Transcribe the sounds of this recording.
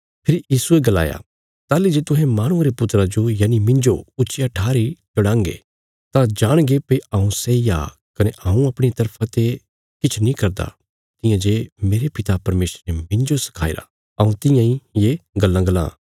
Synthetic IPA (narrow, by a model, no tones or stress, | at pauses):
pʰɪɾjiːsueɡɐla̰ːja̰ | t̪aːlid͡ʒeːt̪ʊɦɛ̃maːɽ̃ʊ̃aɾepʊt̪ɾad͡ʒojaːnimɪ̃nd͡ʒoʊt͡ʃijaʈʰaːɾit͡ʃɐɽãːŋɡḛ | t̪ãd͡ʒaːɽ̃ɡepɐiaũseija̰ | kɐneʔaːũɐpɽ̃et̪ɐɾpʰãt̪e | kɪt͡ʃʰnĩkɐɾd̪a̰ | t̪ɪ̃jãd͡ʒemeːɾepɪt̪apɐɾmeːsɾemɪ̃nd͡ʒosɐ̥kʰaːḭɾa̰ | ɐũt̪ɪ̃jãĩjeɡɐlːãɡɐlã̰ː